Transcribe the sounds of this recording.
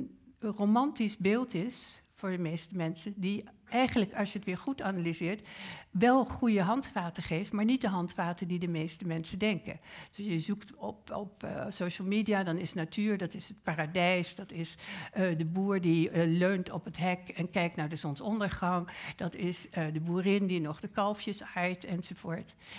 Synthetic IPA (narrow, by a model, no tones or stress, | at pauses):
nromɑntizbeːlˠtɪs | fʊːɹdəmejstəmɛnsəndiɛjχənləkɑlˠsjəətʋɪːɹχutanalizɪːɹtʋɛlˠχujəɦɑntfaːtəχejftmaːɹnit̚dəɦɑntfaːtədidəmejstəmɛnsəndɛŋkə̰nd̥sjəzuktɔpɔpsowʃl̩ˠmidijadɑnɪsnatʰyːɹdɑtɪsət̚paːradɛjsdɑtɪsdəbuːɹdiløɥntɔpətɦɛkɛnkɛjk̚tnaɹdəsɔnsɔndəɹχɑŋd̥ɑtɪsdəbuːrɪndinɔχdəkɑlˠfjəsajtɛnzovʊːɹt